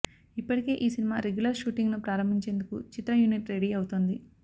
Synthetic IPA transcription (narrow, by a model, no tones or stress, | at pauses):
ipːɐʈike̞ːʔiːsinima̰ːɾeɡjulɐɾʃuːʈiŋɡnupɾaːɾɐmbʱiɲt͡ʃe̞ːnd̪ukṵt͡ʃit̪ɾɐjuniʈɾe̞ɽiɐwut̪oːnd̪i